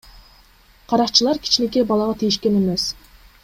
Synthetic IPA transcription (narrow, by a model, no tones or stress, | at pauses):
qʰɑɾɑqt͡ʃɯlˠɑɾkʲʰi̥t͡ʃne̞k̬ebɑlˠɑʁɑt̪ʰijiʃke̞ne̞me̞s